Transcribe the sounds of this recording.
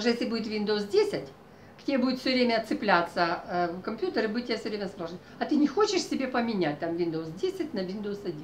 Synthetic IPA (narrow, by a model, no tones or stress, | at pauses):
ʐɨjesʲlʲɪbudʲɪt̪vʲind̪əʊsdʲesʲɪtʲ | kt̪ʲejebudʲɪt̪fsʲovɾʲemʲəɐt̪sɨplʲat̪səkɐmʲpʲjut̪əɾɨbudɪtʲːɪjafsʲəvɾʲemʲəəspɾlˠoʐn | ɐt̪ɨnʲɪxot͡ɕɪʂsʲɪbʲepəmʲɪnʲæt̚ʲt̪amvʲind̪əʊsdʲesʲɪt̚ʲnɐvʲind̪əʊsɐdʲin